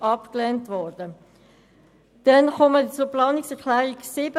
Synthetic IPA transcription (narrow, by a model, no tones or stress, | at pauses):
ɑpklɛːntvɔɾd̥ə | d̥ɛnχɔmət͡suɾplɑːnɪksɛʁklɛːʁiksiːbə